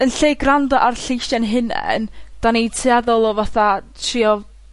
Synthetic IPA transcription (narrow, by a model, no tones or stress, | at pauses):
ənɬeːɡrandɔʔarɬɪjʃɛnɦɪnɛ̰nd̥anitʰiɛðɔlˠɔvaθatʰriːɔ